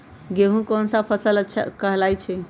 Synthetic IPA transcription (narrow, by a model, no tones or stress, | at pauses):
ɡeɦũkonsãpʰəsələtːʃʰa̰kəɦlajt͡ʃʰɛ